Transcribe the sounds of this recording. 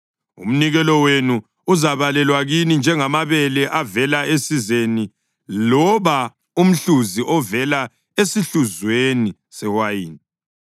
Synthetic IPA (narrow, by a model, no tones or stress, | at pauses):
ṵm̩niɣɛlɔwenuː | zaβalɛlwaɣinind͡ʒʱɛŋamaβɛlɛʔavɛlaesizeni | lɔβa | um̩ɬuziʔɔvɛla | esiɬuzweni | sɛwajiːn